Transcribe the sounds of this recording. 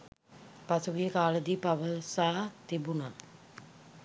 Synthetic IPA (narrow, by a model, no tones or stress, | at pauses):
pɐsuɡikaːləd̪ipɐʋəsaːt̪ibuna